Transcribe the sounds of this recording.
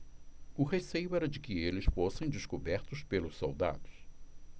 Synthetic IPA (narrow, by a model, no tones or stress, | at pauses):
ʊhesejʊɛɾɐd͡ʒɪkɪelɪsfosẽj̃d͡ʒɪskobɛɾt̪ʊspelʊsso̰wd̪a̰d̪ʊs